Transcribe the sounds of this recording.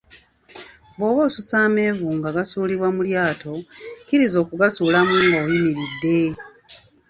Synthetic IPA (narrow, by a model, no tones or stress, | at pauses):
boːβoːsusaːme̞ːvuːŋɡaɡasuːliβwamuljaːtʰo̞kiɾizo̞ːkuɡasuːlamuŋɡoːjimiɾidːe̞